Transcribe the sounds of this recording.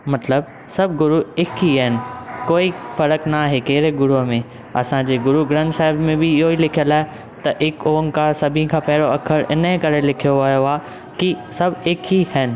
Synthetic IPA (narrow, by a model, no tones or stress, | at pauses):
mɐt̪ləb | sɐbʱɡʊɾuɪkʰiɦɛnɪ̆koːifɐɾəknaaːɦekeːɾeɡʊɾuɦmẽ | ɐ̰sãd͡ʑeːɡʊɾuɡɾə̃nsaːɦɪbmẽbɪɪɦoilɪkʰijəlaːɪ | t̪ɐʔɪkoːəŋkãsɐbʱĩkʰãːpɐɦɪɽoɐkʰəɾʔɪ̰nə̃kɐɾelɪkʰijoʋɐjoaː | kisɐbʱɪkʰihɛnɪ̆